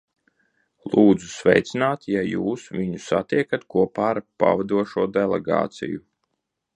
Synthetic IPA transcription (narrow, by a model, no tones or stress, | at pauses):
lˠuːd̪zusvɛ̰jt̪sinaːt̪jajuːsvʲiɲusa̰t̪iɛkat̪kuɔpaːɾpa̰vad̪uɔʃuɔd̪ɛlˠɛɡa̰ːt̪sḭju